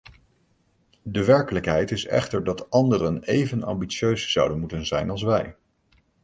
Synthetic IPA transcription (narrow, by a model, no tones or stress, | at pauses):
dəʋɛɹkələkɦɛjtɪsɛ̰χtəɹdɑtɑndərənejvənɑ̰mbitsjøɥsz̥ɑ̰wdənmutənzɛjnɑlˠs̬ʋɛj